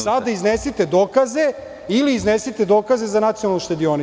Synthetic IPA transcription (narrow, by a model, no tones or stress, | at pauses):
sad̪aiznesit̪ed̪oːkaze̞ | iliːznesit̪ed̪o̞ːkaze̞zanat̪sionalnuʃt̪ed̪io̞ni